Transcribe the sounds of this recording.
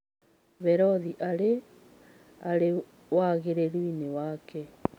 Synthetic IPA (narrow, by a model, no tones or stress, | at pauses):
βɛɾɔðiʔaɾe | aɾe | waɣeɾeɾwinewaːkɛ